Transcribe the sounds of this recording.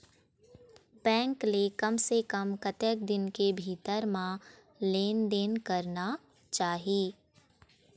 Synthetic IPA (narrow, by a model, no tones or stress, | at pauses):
bɛ̃ːŋklekɐmsekəmkət̪ək̚d̪ɪnkebʱiːt̪əɾmã | leːnd̪eːnkɐɾna | t͡ʃaːɦiː